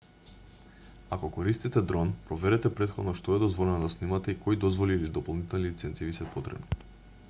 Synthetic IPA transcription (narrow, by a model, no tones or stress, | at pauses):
akɔkoɾist̪it̪ɛd̪ɾɔnpɾɔvɛɾɛt̪ɛpɾɛt̪xɔd̪nɔʃt̪ɔɛd̪ɔzvɔlɛnod̪asnimat̪ɛikojd̪ɔzvɔliːlid̪ɔpolˠnit̪ɛlˠnilit̪sɛnt̪sivisɛpot̪ɾɛ̰bni